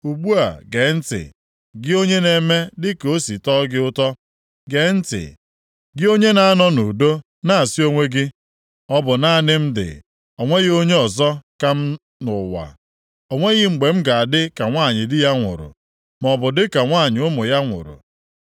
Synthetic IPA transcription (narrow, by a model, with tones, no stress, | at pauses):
u˨ɡ͡bu˦a̰˨ɡe˨˦n̩˦tɪ̰˨ | ɡɪ˦o˦ɲe˦ne˨me˦dɪ˦ko˦si˨tɔ˦ɡɪ˦ʊ˦tɔ˦ | ɡe˨˦n̩˦tɪ̰˨ | ɡɪ˦o˦ɲe˦na˦a˦nɔ˦nu˨do˦ | na˦a˨si˦o˦ŋʷe˦ɡɪ˦ | ɔ˦bʊ˨na˦˨nɪ˦m̩˦dɪ̰˨ | ɔ˨ŋʷe˦ɣo˦ɲe˦ɔ˨zɔ˦ka˦m̩˦ | nʊ˨wa̰˨ | o˨ŋʷe˦ɣɪ˦ŋ͡m̩˨ɡ͡be˨m̩˦ɡa˨a˨dɪ˦ka˨ŋʷaː˦˨ɲɪ˨dɪ˦ja˦ŋʷʊ̰˨ɾʊ̰˨ | mɔ˨bʊ˨dɪ˦ka˨ŋʷaː˦˨ɲɪ˨ʊ˦mʊ˨ja˦ŋʷʊ̰˨ɾʊ̰˨